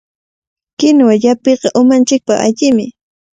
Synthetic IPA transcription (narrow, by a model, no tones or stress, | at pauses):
kɪnwaʎapeqɑʔʊmant͡ʃɪk̚paχa̰ʎɪmɪ